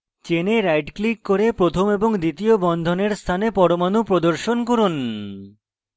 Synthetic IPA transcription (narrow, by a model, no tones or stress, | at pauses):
t͡ɕeneɾajɖklikːoɾepɾot̪ʰomeboŋd̪it̪iobɔnd̪ʱoneɾst̪ʰanepɔɾomanupɾod̪oɾʃonkoɾun